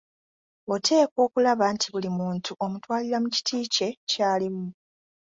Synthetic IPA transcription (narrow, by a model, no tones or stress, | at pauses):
otʰe̞ːko̞ːkulaβantʰiβulimuːntʰuʔo̞mutwaːliɾamuci̥tʰiːce̞caːlimu